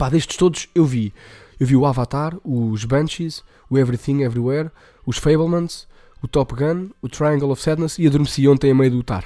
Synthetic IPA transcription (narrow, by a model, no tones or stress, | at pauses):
paðeʃt̪ɨ̥ʃt̪oðuʃewviewviuavat̪aɾuʒβɐ̃nt͡ʃiz | uɛvɾiθĩŋɡɛvɾiwɛɾ | uʃfɐjβlˠmɐ̃nz̥ | ut̪ɔpɣɐ̃nut̪ɾajɐ̃ŋɡɐlˠɔfsɛðnɐziɐðuɾmsiõnt̪ɐ̃j̃ɐmɐjðut̪a̰ɾ